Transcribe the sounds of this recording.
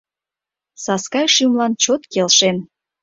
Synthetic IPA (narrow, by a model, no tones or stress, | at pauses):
sɑskɑjʃymlɑnt͡ɕot̪kelʃen